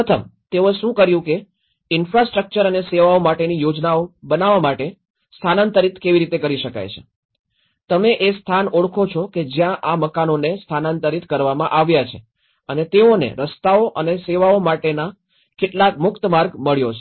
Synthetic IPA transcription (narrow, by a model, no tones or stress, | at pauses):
ət̪ʰəmt̪eoʃũkəɾjũke | ɪnfɾasʈɾək̚t͡ʃəɾəneseʋaomaʈenijod͡ʒnaobənaʋamaʈe | st̪ʰanant̪əɾit̪ʰkeʋiɾit̪ekəɾiʃəka̰jt͡ʃʰe̥̰ | t̪əmeʔest̪ʰanoɽkʰot͡ʃʰɔked͡ʒjãʔaməkanonest̪ʰanant̪əɾit̪ʰkəɾʋamãʔaʋjat͡ʃʰe | ənet̪eonḛɾəst̪aoʔəneseʋaomaʈena | keʈlakmʊkt̪əmaɾɡməɭjot͡ʃʰe